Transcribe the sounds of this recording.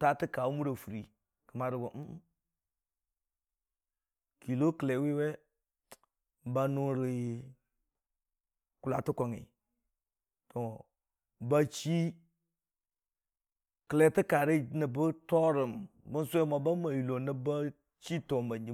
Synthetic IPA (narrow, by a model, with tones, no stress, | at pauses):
ta˦tɨ˦ka˨wu˦mu˦ɾa˨fu˨ɾi˨ | kə˨ma˨ɾə˨bə˨m̩˦ | kʰi˨lo˦kle˨wi˦we˦ | ba˨nu˦ɾi˨ | ku˨la̰˨tɨ˦ko˨ŋḭ˨ | tɔ˨ | ba˦t͡ʃi˦ | kə˨le˨tɨ˦ka˨ɾi˦nə˨bə˦tɔ˦ɾə˨mbə˦n˦su˦ɛ˦ma˨ba˦ma˨ju˨lo˨nə˦ba˦ | t͡ʃi˦to˨mba˨ɲd͡ʒi˦